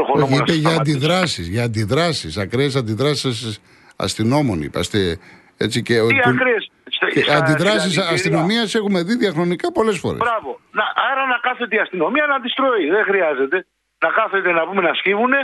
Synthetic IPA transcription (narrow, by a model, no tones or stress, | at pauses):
oxoɾoçiipeʝɐːnd̪iðɾɐsizʝɐːnd̪iðɾɐsisɐkɾees̬ɐnd̪iðɾɐsi̥sɐss | ɐ̰st̪ino̞mo̞nḭpɐ̰st̪e | et͡siceokɾesɐnd̪iðɾɐsisɐst̪ino̞miɐse̞xume̞ðiðiɐxɾo̞nikɐpo̞le̞sfo̞̰ɾeɾɐvo̞nɐʔɐɾɐnɐkɐθet̪eiɐst̪ino̞miɐnɐnd̪ist̪ɾo̞iðexɾiɐze̞t̪e̞ | nɐkɐθet̪e̞nɐbume̞nɐscivune̞